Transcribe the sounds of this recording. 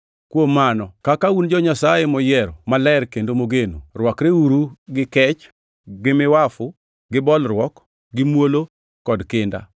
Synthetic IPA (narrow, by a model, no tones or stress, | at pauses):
kwomːanɔkakaund͡ʒɔɲasajemɔjɛɾɔmalɛɾkendomoɡeno̰rwɔkɾeuɾuɡɪkɛt͡ʃ | ɡɪmɪwafʊ | ɡɪbɔlɾwɔk | ɡɪmwolo | kɔdkɪnda̰